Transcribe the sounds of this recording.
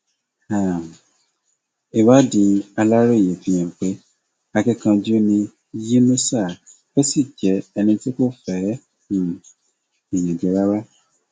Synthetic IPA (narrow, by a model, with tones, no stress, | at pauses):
a˨ | i˨wa˦dĩ˧a˧la˦ɾo˦i˨je˨fĩ˧˦j̃ɛ̃˨k͡pe˦ | a˧ki˦kã˧d͡ʒi˦o˦nĩ˧ | ji˦nũ˦sa˦˨ | o˦si˦˨d͡ʒɛ˨˦ɛ˧nĩ˧ti˦ko˦˨fɛ˨˦˨ | i˨j̃ĩ˨d͡ʒɛ˨˧ɾa˦wa˦